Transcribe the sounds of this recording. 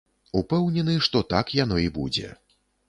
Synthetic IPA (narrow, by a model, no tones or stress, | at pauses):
upɛwnʲɛnɨʂt̪ɔt̪akjanɔibud͡zʲɛ̰